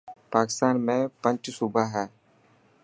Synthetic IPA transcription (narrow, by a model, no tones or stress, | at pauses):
paːkɪ̥st̪aːnmẽpə̃ɲt͡ʃsʊbʱaɦɛː